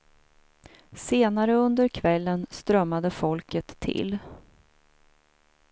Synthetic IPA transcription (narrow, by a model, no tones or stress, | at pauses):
seːnaɾəɵnd̪əɾkʰvɛlːənst̪ɾœmːad̪əfɔlkət̪ʰːɪ̰l